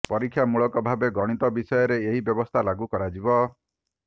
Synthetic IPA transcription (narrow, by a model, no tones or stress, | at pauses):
pɔɾikʰːjamuɭɔkɔbʱabeɡɔɽ̃it̪ɔbisɔjɔɾeeɦibjɔbɔst̪ʰalaɡukɔɾad͡ʒibɔ